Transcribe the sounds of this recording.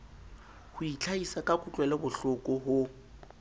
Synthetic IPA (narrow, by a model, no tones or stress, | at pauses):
hʊit͡ɬʰaisakʼakʼʊt͡ɬʼwɛlɛbʊɬʊkʼɔɦʊ